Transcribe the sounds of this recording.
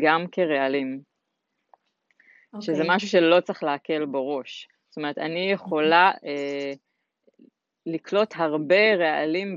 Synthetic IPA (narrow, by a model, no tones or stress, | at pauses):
ɡamke̞ʁealim | ʃezemaʃuʃe̞lo̞t͡saχleake̞lbeʁo̞ʃst̪o̞me̞ʁetanijeχo̞laʔe | liklo̞tɦaʁbe̞ʁealim